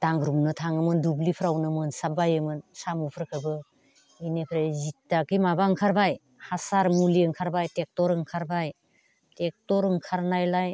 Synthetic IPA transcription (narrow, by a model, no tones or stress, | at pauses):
d̥aŋɡɾumnɯtʰaŋɯmɯndublipʰɾawnɯmɯnsabajɯmɯnsamupʰɯɾkʰɯbɯ | inepʰɾazitːakimabaŋkʰaɾbaj | hasaɾmuliɯŋkʰaɾbajtek̚tɔɾɯŋkʰaɾbaj | tek̚tɔɾɯŋkʰaɾnajlaj